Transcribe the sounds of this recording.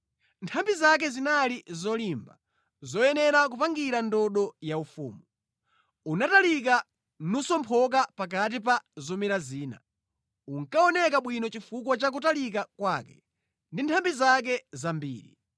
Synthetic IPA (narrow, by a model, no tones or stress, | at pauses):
ntʰambizak̬ɛzinalizɔlimba̰ | zɔjɛnɛɾak̬upaŋɡiɾandɔɗɔjaufṵːmu | unatalik̬a | nusɔmpʰɔk̬apak̬at̬ip̬azɔmiɾaziːna̰ | uŋkaɔnɛkaɓwinɔt͡ʃifukwat͡ʃak̬utalikakwaːkɛ̥̰ | ndintʰambizak̬ɛzambḭːɾḭ